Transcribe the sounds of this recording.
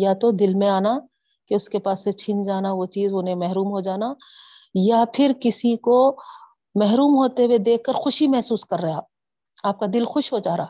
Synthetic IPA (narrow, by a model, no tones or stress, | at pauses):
jat̪od̪ɪlmẽaːna | keʊskepaːsːet͡ʃʰɪ̃nd͡ʒaːnaʋot͡ʃiːzʊnẽmɛɦɾuːmɦod͡ʒaːna | japʰɪɾkɪsiko | mɛɦɾuːmɦoːt̪ewed̪eːkʰːəɾxʊʃimɛɦsuːskɐɾːɐɦaː | aːp̚kad̪ɪlxʊʃɦod͡ʒaːɾaː